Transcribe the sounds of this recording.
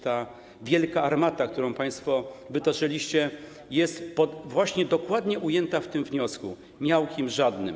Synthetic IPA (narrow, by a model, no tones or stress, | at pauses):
t̪a | vʲjɛlkaaɾmat̪ak̚t̪uɾɔ̃w̃paj̃st̪fɔvɘt̪ɔʐɛlʲiɕt͡ɕɛ | jɛst̪pɔvwaɕɲɛd̪ɔkwad̪ɲɛʔujɛnt̪aft̪ɘmvɲɔsku | mʲjawkʲimʐad̪nɘ̰m